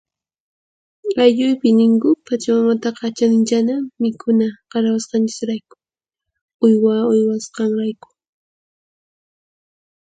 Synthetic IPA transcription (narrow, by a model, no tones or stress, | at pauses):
ajʎʊjpɪnɪŋkʊpʰat͡ʃamamat̪ɑqɑt͡ʃanɪnt͡ʃanamɪkʊnaqɑɾawasqɑnt͡ʃɪ̥sɾajkʊ̥ | ʊjwaʊjwasqɑŋɾajkʊ̥